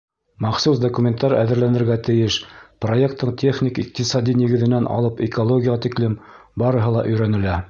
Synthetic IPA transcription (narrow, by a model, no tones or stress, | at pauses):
mɑχsusd̪ɐkumʲent̪ːɑɾæ̰ðɘ̆ɾlænɘ̆ɾɡæt̪ɘ̆jɘʃprojekt̪ːɤɴt̪ʲʰe̞χnʲikiq̚t̪isɑd̪inʲĭɡɘ̆ðɘ̆nænʔɑ̰lˠɤpɪkolˠoɡʲɪjəʁɑt̪iklɘm | bɑɾɤ̆ɦɤlˠɑʔɵ̆jɾænɘ̆læ